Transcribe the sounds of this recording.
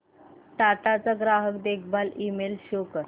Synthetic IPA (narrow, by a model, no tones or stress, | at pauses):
ʈ̪at̪at͡saɡɾaɦəkd̪ekʰbalimelɕokə